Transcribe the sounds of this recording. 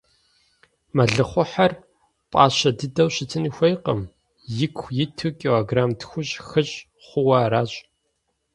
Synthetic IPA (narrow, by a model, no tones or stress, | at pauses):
mɐɮɨχʷʊħɐr | pʼɑ̰ːɕɐdɨdɐwɕɪtʰɨniːxʷɐjqə̰m | jɪkʷʰxʷjɪtʰukʼiloɡraːmtxʷʊɕʼxɨɕʼ | χʷʊwɐːɾaːɕʼ